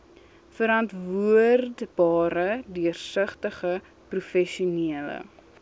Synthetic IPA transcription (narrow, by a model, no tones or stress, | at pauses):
fəɾɐntvuərdbɑːɾədiərsəχtəχə | prufɛʃuniələ̰